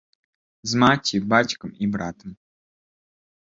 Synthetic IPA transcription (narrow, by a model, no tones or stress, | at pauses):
zmatʲʰibat͡ʃkəmibɾaːt̪ʰəm